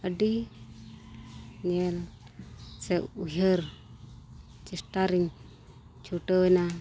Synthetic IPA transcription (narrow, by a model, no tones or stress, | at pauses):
əɖi | ɲɛl | sɛuɦəɾ | t͡ʃisʈaɾiŋ | t͡ʃʰuʈəwəna